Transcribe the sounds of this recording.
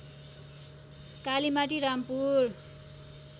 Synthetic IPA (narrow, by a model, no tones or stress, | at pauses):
kalimaʈ̬iɾampur